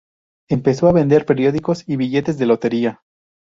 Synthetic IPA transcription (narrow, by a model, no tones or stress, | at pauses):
empe̞so̞aβe̞nd̪e̞ɾpe̞ɾjo̞ðiko̞siβiʝe̞t̪e̞zðe̞lo̞t̪e̞ɾia